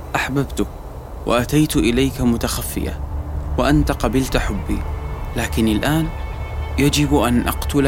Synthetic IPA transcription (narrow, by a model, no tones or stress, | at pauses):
ʔaħbabt̪ʊ | wa̰ʔat̪ajt̪ʔɪlajkamʊt̪axafːɪ̰ja̰waʔant̪aqɑbɪlt̪ħʊbːḭːlaːkɪnɪlʔaːnjad͡ʒɪbʔanʔa̰qt̪ʊl